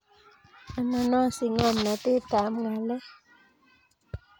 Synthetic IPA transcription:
a˨na˨nɔ˦˨si˨ŋɔ˦˨nna˨te˦˨ta˨˦mŋa˨lɛ˦

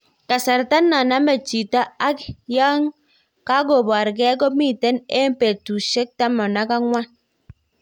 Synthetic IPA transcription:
ka˨sa˨ɾta˦nːa˨na˦ma˨t͡ʃi˨ta˦a˦kja˦ŋ | ka˦ɡo˨ba˨ɾɡɛ˦ɡ̬o˦mi˦˨te˦ne˦mpe˨tu˨ʃe˦k̚ta˦mɔ˨na˦ka˦ŋwa˦n

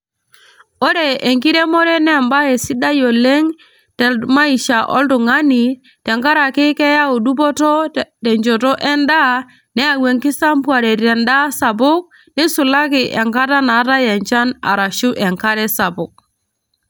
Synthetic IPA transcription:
ɔ˦ɾe˨e˨ŋki˦ɾe˦mɔ˦ɾɛ˦nɛ˦˨mba˦e˨si˦da˦jo˨le˦ŋ | tɛ˨ma˦i˨ʃa˨ʔɔ̰˦ldʊ˨ŋa˦ni˨ | tɛ˨ŋka˦ɾa˨kɪ˦kɛ˦ja˦o˨du˦p̬ɔ˦tɔ˦tɛ˨ɲd͡ʒo˨tɔ˦ʔɛ˦nda˦ | nɛ˦a˨we˨ŋkɪ˦sa˦mpwa˨ɾe˨ɾɛ˨nda˦sa˨bʊ˦k̚ | nɪ˦sʊ˨la˦kɪ˨ʔɛ˨ŋka˦ta˦na˨˦ta˦jɛ˨ɲt͡ʃa˦na̰˨ɾa˨ʃu˦ʔɛ˨ŋka˦ɾɛ˦sa˨bʊ˨k̚

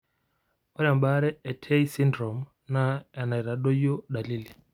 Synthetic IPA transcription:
ɔ˦ɾa˨mba˦ɾɛ˦ɛ˨tʰɛ˦i˦si˦ndɾɔ˨m | na˨ɛ˨na˨i˨ɾa˨ɗɔ˦jɔ˦ɗa˨li˦li˨

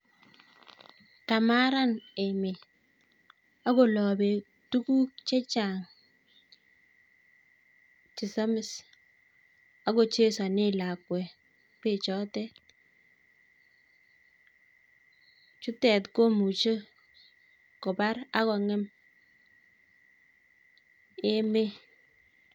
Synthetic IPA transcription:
ka˨ma˦ɾa˦nɛ˨mɪ˨ | a˦ko˨lɔ˨bɛ˨ | tu˦ku˦t͡ʃɛ˦t͡ʃa˨ŋ | t͡ʃɪ˨sɔ˦mɪ˨s | a˦ko˨t͡ʃe˦sa˨nɪ˦la˨kwɛ˨ | pe˦˨t͡ʃɔ˦tɛ˦t | t͡ʃu˦tɛ˨tko˦mu˨t͡ʃə˦ | kɔ˨ba˦ɾa˦kɔ˨ŋɛ˦m | e˦me˦

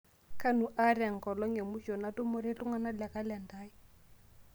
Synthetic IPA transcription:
ka˦nu˨ʔa˦ɾɛ˨ŋ̩˨kɔ˨lɔ˦ŋe˨mʊ˦ʃɔ˨na˦tʼʊ˦mʊ˦ɾe˦lʊ˦ŋa˦na˦la˨ka˦lɛ˨n̩˨daː˦ɪ˦

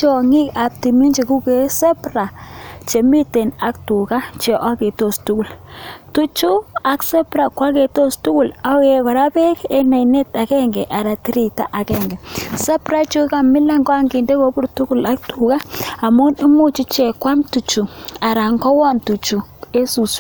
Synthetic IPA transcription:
t͡ʃɔ˨ŋi˦ka˨p̚ti˨mi˦nd͡ʒe˨ku˦ke˦sɛ˦pra˨t͡ʃe˨mi˦te˨na˦k̚tu˨ka˦t͡ʃe˨ʔa˦ke˨to˦˨stu˦ku˨ltu˦t͡ʃu˦a˨ksɛ˦pɾa˨kwa˦ke˨to˦stu˦ku˦˨la˦e˨kɔ˨ɾa˦pɛ˦ke˦na˨ine˦ta˨kɛ˦ŋɡɛ˨ʔa˨ɾa˨ti˦ɾi˨ta˦ʔa˨kɛ˦ŋɡɛ˨sɛ˦pɾa˦t͡ʃo˦ka˨mɪ˦la˦ŋɡwa˦ŋɡi˨nde˦ko˦pu˦ɾtu˦ku˦la˦k̚tu˨ka˦a˨mu˦ni˦mu˦t͡ʃi˦t͡ʃe˨kwa˦mtu˨t͡ʃu˨a˨ɾa˨ŋɡɔ˦wɔ˦˨ntu˨t͡ʃu˨e˦su˨s

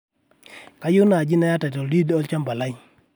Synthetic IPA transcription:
ka˦jʊ˦na˨d͡ʒi˦na˦ja˦ta˨tɔ˨ldi˦dɔ˦lt͡ʃa˦mba˨la˦j

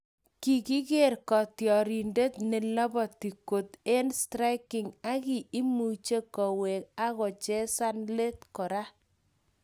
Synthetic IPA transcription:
ki˨ki˦ke˦rkɔ˨tjɔ˨ɾi˨nde˦tne˨lɔ˦bɔ˨ti˨ko˨te˦nstɾa˦ɪkɪ˨ŋa˦ki˨i˦mu˨t͡ʃe˦kɔ˨we˨k̚a˦ɣɔ˨t͡ʃɛ˦sa˦nle˦t̚kɔ˨ɾa˦

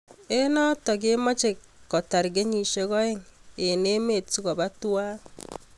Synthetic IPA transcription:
e˦nɔ˦tɔ˨ke˦mɔ˦t͡ʃe˨ | kːɔ˨ta˨ɾɡe˦ɲi˨ʃe˦ɣɔ˦e˦ŋe˨ne˦me˨t͡si˦ɣɔ˨ba˦tu˦aː˦

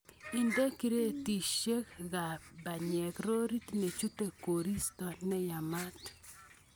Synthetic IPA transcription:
i˨nde˦ki˦ɾe˦ti˨ʃe˦kɣa˨ba˨ɲɛ˨kɾo˦ɾi˦tne˨t͡ʃu˦te˦ko˨ɾi˦stɔ˨nɛ˦ja˨ma˦t

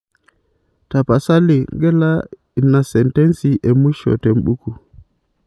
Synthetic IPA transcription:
ta˨pa˨sa˦li˨ŋɡɛ˦la˦ | i˨na˨sɛ˨ntɛ˦nsi˨ʔɛ˨mu˦ʃɔ̰˨tɛ˨m̩˦ɓu˦ku˨

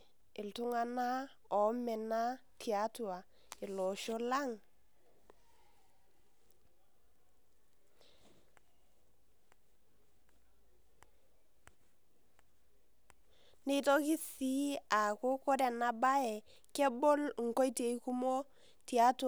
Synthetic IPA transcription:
ɪ˨ltʊ˦ŋa˦na˦ | ɔ˨˦mɛ˨na˦tʰi˨a˦tu˦˨a˨ | ɪ˨lɔ˨ʃo˦la˦ŋ | ne˦to˦ki˦si˦a˨ko˦ko˦dɛ˨na˦ba˦ɛ˨ | kɛ˦bo˦lŋ̩˨ko˦i˦te˨i˦ku˦mo˦ | ti˨a˦t

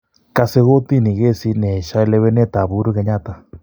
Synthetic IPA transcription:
ka˨se˦ɣo˦t̪i˦ni˨ɣe˦si˦nɛ˨ʃa˦ɛ˦le˦βe˦nɛ˦t̪a˨βu˦ɾu˦ɣe˨˦ɲa˦t̪a˨

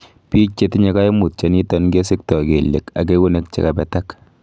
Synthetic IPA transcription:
pi˦t͡ʃe˦tɪ˦ɲɛ˦ka˦jmu˨t̚t͡ʃa˦ni˦tɔ˦nke˦sɪ˦k̚tɔ˨ke˨lːḛ˨ka˨ke˦wu˦ne˦k̚t͡ʃḛ˦kabɛ˦ta˦k

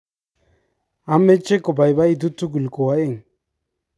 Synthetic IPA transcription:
a˦me˦t͡ʃe˦ko˨ba˨jba˦i˨du˦tu˦ɡu˨lko˨wa˦e˦˨ŋ

